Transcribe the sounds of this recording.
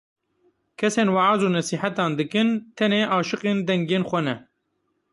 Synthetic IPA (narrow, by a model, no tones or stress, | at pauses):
kʰɛseːnwaʕaːzuːnɛsiːħat̪ɑːnd̪ɨkɨnt̪ʰɛneːʔɑːʃɨqeːnd̪ɛŋɡeːnxʷɛnɛ